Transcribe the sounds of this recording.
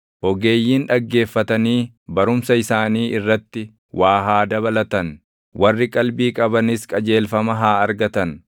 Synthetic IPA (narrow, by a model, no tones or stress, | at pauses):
ʔɔɡe̞ːjːiːnᶑɐɡːe̞ːfːɐt̪ɐniː | bɐɾʊmsɐɪsaːniːɪrːɐt̪ːɪ | wʔaːɦaːd̪ɐβɐlɐt̪ɐn | wʔɐrːɪkʼɐlbiːkʼɐbɐnɪskʼɐd͡ʒe̞ːlfɐmɐɦaːɐɾɡɐt̪ɐn